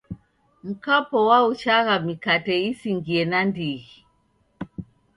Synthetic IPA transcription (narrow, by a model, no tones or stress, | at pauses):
m̩kapɔwaut͡ʃaɣamikatɛisiŋɡiɛnandiɣi